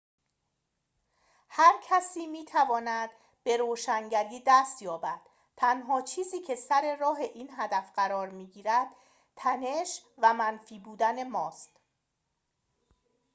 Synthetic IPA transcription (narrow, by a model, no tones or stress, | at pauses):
hæɾcʰæsiːmiːt̪ʰævɒːnæd̪̥ | be̞ɾoːʃæŋɟæliːd̪æst̪jɒːbæd̪̥ | t̪ʰænɦɒːt͡ʃʰiːziːcʰe̞sæɾe̞ɾɒːɦe̞ʔiːnɦæd̪æfɢæɾɒːɾmiːɟiːɾæd̪̥̚ | t̪ʰæne̞ʃvæmænfiːbuːd̪æne̞mɒːst̪